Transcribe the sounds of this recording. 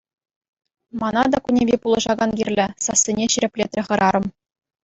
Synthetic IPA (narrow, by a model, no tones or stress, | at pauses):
mɑnɑd̪ɑkunʲevʲipulˠɤ̆ʐɑɡɑnɡʲirʲlʲɘ̆sɑsʲːinʲeɕiɾʲɘ̆pʲlʲet̪ʲrʲɘ̆χɤ̆ɾɑɾɤ̆m